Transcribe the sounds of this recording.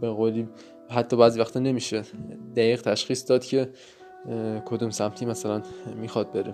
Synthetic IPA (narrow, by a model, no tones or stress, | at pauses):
be̞ɣoːliː | ɦæt̪ʰːɒːbæːziːvæxt̪ɒːne̞miːʃed̪æjiːɣt̪ʰæʃxiːsd̪ɒːd̪̥cʰe̞ | kʰod̪umsæmt̪ʰiːmæsælænmiːxɒd̪̚beɾe